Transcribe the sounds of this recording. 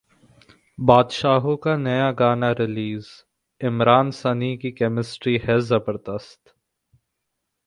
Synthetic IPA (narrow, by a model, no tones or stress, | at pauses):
baːd̪ʃaːɦõkanɐjaɡaːnaɾɪliːz | ɪmɾaːnsɐnikikɛːmɪsʈɾiɦɛzɐbəɾd̪əst̪